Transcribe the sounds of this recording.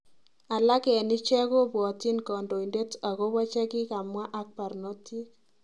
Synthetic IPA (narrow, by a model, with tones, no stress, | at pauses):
a˨la˦kɛ˨nɪ˦t͡ʃɛ˦ko˦bɔ˨ti˦nkɔ˨ndo˨i˨nde˦ta˨ko˦wa˦t͡ʃɛ˦kɪ˦ka˨mwa˦ʔa˦k̚pa˨ɾno˦ti˦